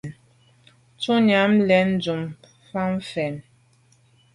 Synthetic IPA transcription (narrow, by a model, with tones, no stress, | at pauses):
t͡su˦na˨˦mlɛ˨˦n˦d͡ʒu˨m | fa˦m˦fɛ˨n